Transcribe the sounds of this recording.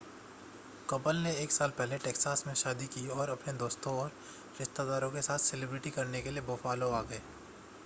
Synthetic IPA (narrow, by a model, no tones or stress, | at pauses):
kɐpəlneeːksaːlpɛɦleʈeːksaːsmẽʃaːd̪ikiɔːɾɐpned̪oːst̪õɔːɾ | ɾɪʃt̪ad̪aːɾõkesaːt̪ʰsɪlebɾɪʈikɐɾnekelieboːfaːloaːɡɐeː